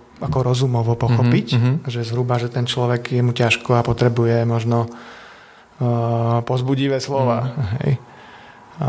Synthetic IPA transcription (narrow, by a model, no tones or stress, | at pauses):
akɔɾɔzumɔʋɔpɔxɔpicʒɛzɦɾubaʒɛt̪ɛnt͡ʃlɔʋɛɡjɛmucaʃkɔapɔt̪ɾɛbujɛmɔʒnɔ | pɔzbuɟiʋɛːslɔʋaːɦɛ̰j